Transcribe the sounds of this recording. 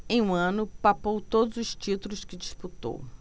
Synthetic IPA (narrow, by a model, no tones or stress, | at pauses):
ẽj̃ũɐ̃nʊpapowt̪od̪ʊzʊst͡ʃit̪ulʊskɪd͡ʒisput̪o̰w